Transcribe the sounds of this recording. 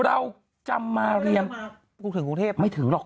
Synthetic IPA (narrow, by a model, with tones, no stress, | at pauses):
ɾa˧w | t͡ɕa̰˧mːaː˧ɾi˧əm | uː˧t̪ʰɯ˩˦ku˧ŋt̪ʰeː˥˩pma˥˩jt̪ʰɯ˨˩˦ŋlɔː˨˩